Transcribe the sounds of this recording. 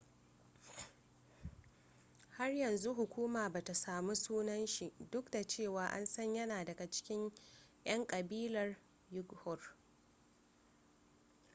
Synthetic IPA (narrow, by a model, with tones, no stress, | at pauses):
ha˦rjɐ˨nzu˦ɦʊ˨kʷuː˦maː˨baː˨ta˨saː˨mu˦suː˦nɐ˦nʃi˨ʔdʊ˦kda˨t͡ʃeː˦˨waː˨ʔa̰˦nsɐ˦ɲjɐ˦naː˨dɐ˨ɡa˨t͡ʃɪ̥˦kʲɪ˦ɲjɐ˦ŋkʼɐ˨biː˦lɐ˨r | jʊ˦ɡhɔ˨r